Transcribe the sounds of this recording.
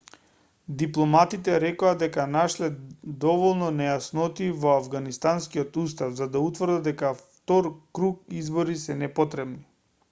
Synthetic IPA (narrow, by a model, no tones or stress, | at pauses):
d̪iplˠɔmat̪it̪ɛɾɛkoad̪ɛkanaʃlɛd̪ɔvɔlˠnɔnɛjasnɔt̪ivɔavɡanist̪anskiɔt̪ust̪afzad̪aut̪vrɾd̪aɛkaft̪ɔɾkɾuk̚izbɔɾisɛnɛpɔt̪ɾɛbni